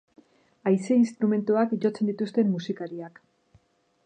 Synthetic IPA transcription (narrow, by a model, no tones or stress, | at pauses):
ajseinst̪ɾume̞nt̪uakʝo̞t͡se̞nd̪it̪ust̪e̞mːusikaɾiak